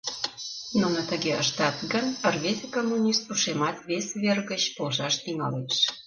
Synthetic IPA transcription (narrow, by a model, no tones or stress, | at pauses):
nunə̆t̪əɣeə̰ʃt̪ɑt̪ɡənərβesʲekomːunʲist̪uʃemɑt̪βesβerɣət͡ɕpolʒɑʃt̪iŋɑleʃ